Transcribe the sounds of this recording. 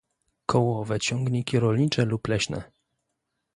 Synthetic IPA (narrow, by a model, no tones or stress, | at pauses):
kʰɔwɔvɛt͡ɕɔŋɡɲikʲiɾɔlɲit͡ʂɛluplɛɕnɛ̰